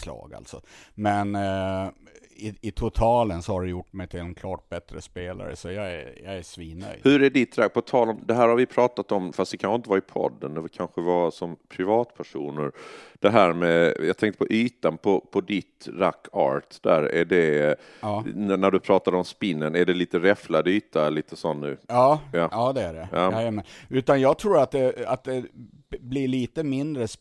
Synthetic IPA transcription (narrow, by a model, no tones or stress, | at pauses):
slɑ̰ːɡa̰lt̪sɔmɛn | ɪɪt̪ʰʊt̪ʰɑːlənsɔhaɖɛjʊʈːmɛjt̪ʰɪlɛnkʰlɑːʈ̚bɛt̪ɾəspeːla̰ɾə̰sɔjɑæjɑæʂviːnœ̰jhɵɾæɖɪt̪ɾak̚pʰɔt̪ʰɑːlɔmd̪ɛɦæːɾhaɾvɪpʰɾɑːt̪at̪ɔmfast̪d̪ɛkʰanxɧɪnt̪əvaɾɪpʰɔ̰d̪ːənd̪ɛkʰanɧəvasɔmpʰɾɪvɑːt̪pʰæʂuːnəɾd̪̥ɛɦæːɾmɛjɑːt̪ʰɛŋkt̪əpʰɔʔyːt̪anpʰɔpʰɔd̪ɪt̪ɾa̰kʰːɑ̰ːɾʈd̪̥æːɾæ̰ɖɛ | nnæɖɵpʰɾɑːt̪ad̪əɔmspɪnːənæɖɛliːt̪əɾɛflad̪əyːt̪alliːt̪əsɔnːʉ̟̰ːɑːɑːɑːd̪ɛæɖɛ̰aːaamɛnʉ̟ːt̪anjɑːɡ̚t̪ʰɾuːɾat̪̚d̪ɛat̪̚d̪ɛ | bliɭiːt̪əmɪnd̪ɾəs